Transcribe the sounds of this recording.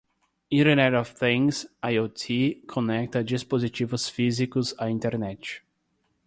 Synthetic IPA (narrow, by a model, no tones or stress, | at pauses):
ĩɾenɛɾɔvθĩŋsajot̪ʰikʰõnɛk̚t̪ɐd͡ʒispozit͡ʃivʊsfizikʊzaĩnt̪eɾnɛt͡ʃ